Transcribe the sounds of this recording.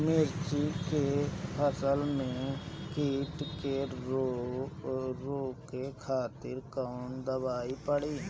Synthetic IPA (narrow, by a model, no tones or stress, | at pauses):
mɪɾt͡ʃikepʰəsəlmẽkiːʈkeo | ɾoːkekʰaːt̪ɪɾkaʊnd̪əbaːipəɽiː